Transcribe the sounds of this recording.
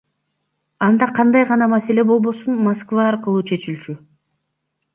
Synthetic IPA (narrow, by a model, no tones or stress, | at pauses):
ɑnd̪ɑqʰɑnd̪ɑjʁɑnɑmase̞le̞bo̞lˠbo̞sunmaskvɑːɾqɯlˠuːt͡ʃʰe̞t͡ʃilʲt͡ʃy